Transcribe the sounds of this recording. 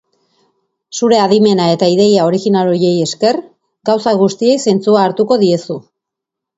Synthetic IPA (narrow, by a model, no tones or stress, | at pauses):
suɾe̞aðime̞nae̞t̪aiðe̞jao̞ɾiɣinalo̞je̞je̞ske̞r | ɡawsaɣust̪ie̞jse̞nt͡suaːɾt̪uko̞ðie̞su